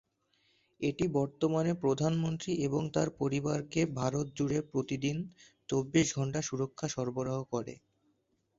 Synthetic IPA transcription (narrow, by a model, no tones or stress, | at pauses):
eʈibɔɾt̪omanepɾod̪ʱanmont̪ɾiʔeboŋt̪aɾpoɾibaɾkebʱaɾot̪̚d͡ʑuɽepɾot̪id̪int͡ɕobːiʃɡʱɔɳʈaʃuɾokʰːaʃɔɾboɾaɦokɔɾḛ